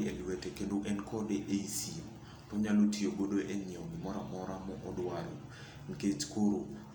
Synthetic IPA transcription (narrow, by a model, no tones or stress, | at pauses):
elwɛtekendoʔɛnkʰɔdeʔeisimɔ | tɔɲalotʰioɡodoʔeɲiɔɔɡɪmɔɾamɔɾamɔʔɔdwalɔ | ŋ̩ket͡ʃkoɾo